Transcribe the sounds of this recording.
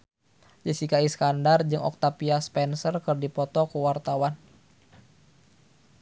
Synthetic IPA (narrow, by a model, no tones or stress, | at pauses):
d͡ʒəsikaiskandard͡ʒɨŋɔ̰k̚t̪apiaspɛnsərkɨrdipɔt̪ɔkuwart̪awan